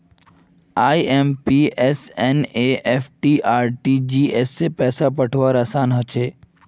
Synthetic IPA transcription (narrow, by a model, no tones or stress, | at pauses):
aːiempieseneʔefʰʈiʔaːɾʈid͡ʒiːesːepɛːsapəʈʰʋaɾəsaːnɦət͡ʃʰeː